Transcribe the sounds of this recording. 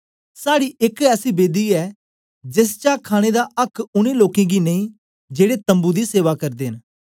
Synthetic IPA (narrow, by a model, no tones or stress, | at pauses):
saːɽiʔɪkɛːsiːbeːd̪iːɛː | d͡ʒɪs̬t͡ʃaːkʰaːɽ̃ed̪aʔɐkʰʊnẽloːkẽɡineĩː | d͡ʒeːɽet̪ə̃mbud̪iseːʋakɐɾd̪eːn